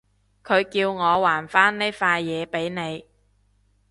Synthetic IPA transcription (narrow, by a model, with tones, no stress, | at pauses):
kʰɵ˨˧ɥkiː˧wŋɔː˨˧waː˨˩nfaː˥nne˥faː˧jːɛː˨˧pe˨˥jne˨˧j